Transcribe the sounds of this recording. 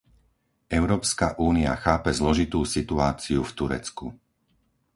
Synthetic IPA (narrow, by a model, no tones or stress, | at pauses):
ʔɛʊɾɔːpskaʔuːnia̰xaːpɛzlɔʒit̪uːsit̪uaːt͡siuft̪uɾɛ̰t͡skṵ